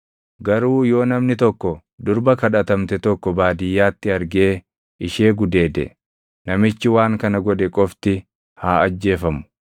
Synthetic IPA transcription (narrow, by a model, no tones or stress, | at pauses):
ɡɐɾuːjo̞ːnɐmnɪt̪ɔkːɔ | d̪ʊɾbɐkɐᶑɐt̪ɐmt̪ɛt̪ɔkːɔbaːd̪ɪjːaːt̪ːɪɐɾɡe̞ː | ʔɪʃe̞ːɡʊd̪e̞ːd̪ɛ̰ | nɐmɪt͡ʃːɪwaːŋkɐnɐɡɔᶑɛkʼɔft̪ɪ | haːɐd͡ʒːe̞ːfɐmʊ̥